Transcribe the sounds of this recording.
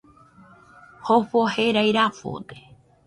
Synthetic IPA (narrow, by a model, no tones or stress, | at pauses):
hofoheɾajɾafo̰t̪e